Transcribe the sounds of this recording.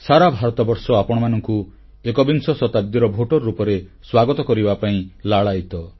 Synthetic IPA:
saɾabʱaɾɔt̪ɔbɔɾsɔapɔɽ̃ɔmanɔŋku | ekɔbinsɔsɔt̪ab̚d̪iɾɔbʱoʈɔɾːupɔɾeswaɡɔt̪ɔkɔɾibapaĩlaɭajt̪ɔ

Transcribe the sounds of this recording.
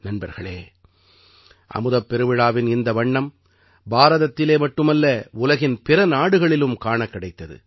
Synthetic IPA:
nɐnbɐɾɣɐɭeː | ʔɐ̰mɯðɐpːɛɾɯʋɪɻaːʋɪnɪnd̪ɐʋɐɳːɐm | baːɾɐðɐt̪ːɪleːmɐʈːɯmɐlːɐʊlɐɣɪnpɪɾɐnaːɽɯɣɐɭɪlɯmkaːɳɐkːɪɽɐɪt̪ːɐðɯ̰

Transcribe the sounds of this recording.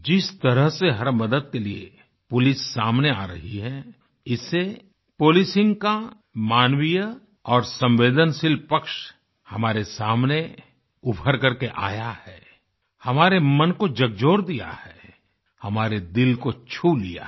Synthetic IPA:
d͡ʒɪst̪ɐɾəɦseɦɐɾmɐd̪əd̪̚keliḛ | pʊlɪsːaːmneaːɾɐɦiɦɛ | ɪse | poːlɪsɪ̃ŋɡka | maːnwijə | ɔːɾsɐ̃mʋeːd̪ənsɪlpɐkʃ | hɐmaːɾesaːmne | ʊbʱəɾkɐɾkeʔa̰ːjahɛː | hɐmaːɾemɐnkod͡ʒɐɡd͡ʒoːɾd̪ija̰hɛː | hɐmaːɾed̪ɪlkot͡ʃʰulḭja̰

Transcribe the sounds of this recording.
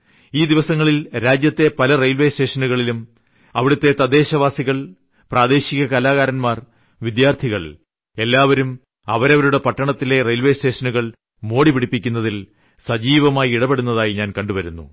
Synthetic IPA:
iːd̪iʋɐsɐŋːɐɭilɾaːd͡ʑjɐt̪ːe̞pɐlɐrejlʋe̞ːste̞ːʂɐnuɣɐɭilum | ɐʋiɽut̪ːe̞t̪ɐd̪e̞ːɕɐʋaːsiɣɐɭ | praːd̪e̞ːɕiɣɐkɐlaːɣaːɾɐnmaːr | ʋid̪jaːrt̪ʰiɣɐɭ | e̞lːaːʋɐɾum | ɐ̰ʋɐɾɐʋɐɾuɽe̞pɐʈːɐɳɐt̪ːile̞rejlʋe̞ːste̞ːʂɐnuɣɐɭ | mo̞ːɽipiɽipːikʲːunːɐðil | sɐd͡ʑiːʋɐmaːjiiɽɐbe̞ɽunːɐðaːjiɲaːnkɐɳɖuʋɐɾunːṵ

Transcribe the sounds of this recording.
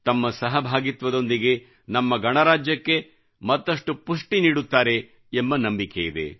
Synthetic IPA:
t̪ɐmːɐsɐɦɐbʱaːɡit̪ʋɐd̪o̞nd̪iɡe̞ | nɐmːɐɡɐɳɐɾaːd͡ʒjɐkːe̞ | mɐt̪ːɐʂʈupuʂʈiniːɽut̪ːaːɾe̞ | embɐnɐmbikejid̪ḛ

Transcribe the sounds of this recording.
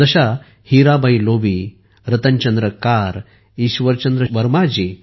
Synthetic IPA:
ɐɕa | hiɾabəjlobi | ɾɐt̪əɲt͡ɕənd̪ɾəkaɾ | iɕʋəɾt͡ɕənd̪ɾəʋəɾmad͡ʑe

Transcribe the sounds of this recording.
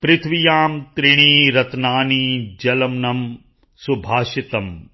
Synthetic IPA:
pɾɪt̪ʰʋijaːmt̪ɾɪɽ̃iːɾɐt̪naːniːd͡ʒɐlɐmnɐm | subʱaːʃit̪ɐm

